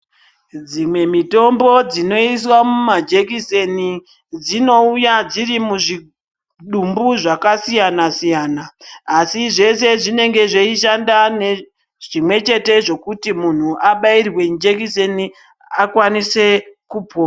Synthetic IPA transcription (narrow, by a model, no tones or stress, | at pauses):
d͡zimwe̞mito̞mbo̞d͡zino̞is̬wamumad͡ʒek̬iseni | d͡zino̞ujad͡ziɾimuʐi | ɗumbuʐakasijanasijaːnaːsiʐe̞se̞ʐine̞ŋɡe̞ʐeiʃandane | ʐ̥imwe̞t͡ʃe̞te̞ʐo̞kutimun̤uʔaɓairwe̞d͡ʒekiseni | akwanise̞kupʰoːa